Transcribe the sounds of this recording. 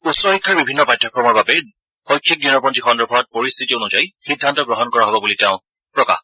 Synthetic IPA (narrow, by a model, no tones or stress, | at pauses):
utsɹɔxikʰːaɹbibʱinːɔbajdʱɔkʰɔɹmɔɹbabe | xɔjkʰːik̚dunɔpɔntixɔndɔbʰɔɹɔt̚poɹist̪ʰitionud͡ʒajxidʱːantɔɡɹɔɦɔnkɔɹaɦɔbɔbuliteʊ̃ | pɹɔka̰x